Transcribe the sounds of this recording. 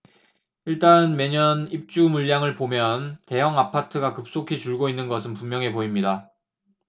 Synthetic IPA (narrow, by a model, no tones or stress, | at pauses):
iɭt͈anme̞ɲʌnip̚t͡ɕ͈umuʎːaŋɯɭpomjʌnte̞jʌŋapʰatʰɯɡakɯp̚s͈okʰit͡ɕuɭɡoinːɯnɡʌsʰɯnpummːjʌŋepoimɲida